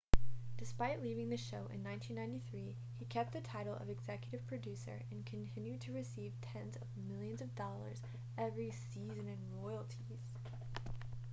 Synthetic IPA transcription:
d̥ɨspaɪʔˡlivɪ̃ŋðɨʃoʊʔɨ̰̃nːãɪ̃ntʰĩnːãɪ̃ntiθɹi | ikʰɛp̚t̪̚ðɨtʰaɪɾl̩ˠʌ̰vɨɡzɛkjɨɾɨv̥pʰɹ̥ɨdʉsə̰˞ɨ̃nkʰɨ̃ntʰɪ̃njʉd̚tʰɨɹɨsiv̥tʰɛ̃nzʌvmɪlˠjɨ̃nzʌvdɔlˠə̰˞z | ɛvɹisizɨ̃nɨ̃nɹɔɪl̩ˠtʰiz̥

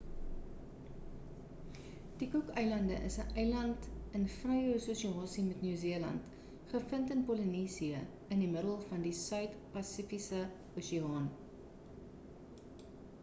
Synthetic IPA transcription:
d̥ikukœjlɐndəʔəsəʔɛjlɐntənfrɛjususiɑːsimɛtnyːziəlɐ̰nt | χəfəntənpɔləniːsiə | əndiməɾəlˠfɐndisœɥtpɐsifisə | usiɑːn

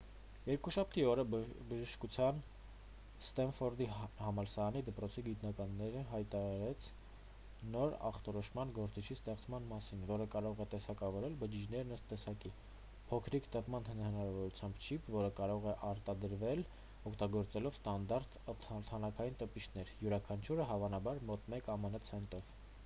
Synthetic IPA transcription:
jɛɾkuʃɑp̚ʰt̪iɔɾəbəʒəʃkut͡sʰjɑn | st̪ɛnfɔɾd̪ihɑmɑlsɑɑnid̪əpɾɔt͡sʰiɡit̪nɑkɑnːɛɾəɦɑjt̪ɑɾɑɾɛt͡sʰ | nɔɾɑ̰χt̪ɔɾɔʃmɑnɡɔɾt͡sit͡ʃʰist̪ɛχt͡sʰmɑnmɑsinvɔɾəkɑɾɔʁɛt̪ɛsɑkɑvɔɾɛlbəd͡ʒid͡ʒnɛɾnəst̪ːɛsɑki | pʰɔkʰɾikt̪əpmɑnhənhənɑɾɑvɔɾut͡sʰjɑmbt͡ʃʰipʰvɔɾəkɑɾɔʁɛʔɑɾt̪ɑd̪əɾvɛl | ɔkʰt̪ɑɡɔɾt͡sɛlɔvst̪ɑnd̪ɑɾt̪t̪ʰt̪ʰɑnɑkʰɑjint̪əpit͡ʃʰnɛɾjuɾɑkʰɑnt͡ʃʰuɾəɦɑvɑnɑbɑɾmɔt̪mɛkɑmənət͡sʰɛnt̪ɔv̥

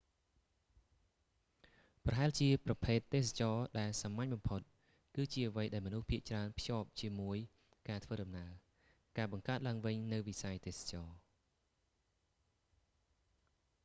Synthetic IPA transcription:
prɑɦaɛlt͡ɕiəprɑpʰeːt̪ːeːsḁt͡ɕɑːɗaɛlsamːaɲɓɑmpʰot̪̚ | kɨːt͡ɕiəʔəʋəjɗaɛlmɔnuhpʰiəʔt͡ɕraənpʰjŏːp̚t͡ɕiəmuəj | kaːt̪ʰʋəːɗɑmnaə | kaːɓɑŋkaət̪̚laəŋʋɨɲnɨwʋisajt̪eːsḁt͡ɕɑː

